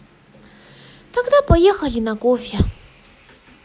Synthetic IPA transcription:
t̪aɡ̚d̪apɔjɛxalʲinakofʲja

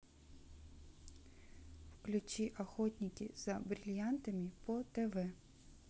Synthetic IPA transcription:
wklʲut͡ʃʲiʔɐxɔtʲnʲikʲiz̥ɐbɾʲɪlʲjant̪ɐmʲipɔt̪eʋɛ

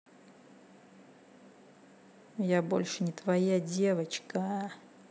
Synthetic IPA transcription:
jabo̞̰lʲʂɨnʲɪt̪vɐjadʲe̞vət͡ɕkə

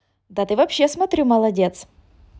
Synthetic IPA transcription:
d̪at̪ɨvɐpɕːesmɐt̪ɾʲumɐlˠɐdʲet̪s

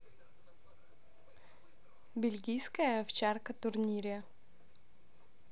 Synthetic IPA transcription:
bʲɪlʲɡʲijskəjəɐft͡ɕarkət̪ʊrnʲiɾʲə

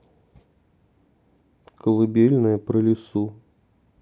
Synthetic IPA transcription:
kəlˠɨbʲelʲnɐjəpɾɐlʲɪsu

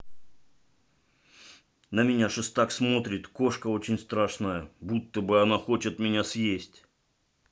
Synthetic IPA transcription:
nəmʲɪnʲaʂɨst̪aksmo̞t̪ɾʲɪt̪ko̞ʂkəo̞t͡ɕɪnʲst̪ɾaʂnəjəbut̪ːəbɨɐnaxo̞t͡ɕɪt̪mʲɪnʲasjesʲtʲ

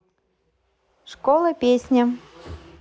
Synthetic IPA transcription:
ʂkolˠəpʲesʲnʲa

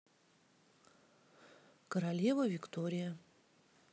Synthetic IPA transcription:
kɐɾalʲevɐvʲikt̪oɾʲɪja

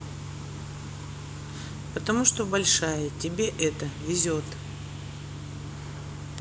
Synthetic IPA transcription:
pət̪ɐmuʂt̪obɐlʲʂajətʲɪbʲeʔɛt̪əvʲɪzʲot̪ | p

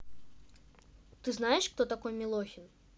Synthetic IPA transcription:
t̪ɨznajɛʂkt̪ɔt̪akɔjmʲɛlˠɔxʲin

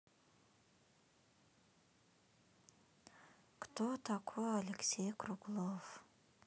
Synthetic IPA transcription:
kt̪ot̪ʰakʰoalʲeksʲejkɾuklˠof

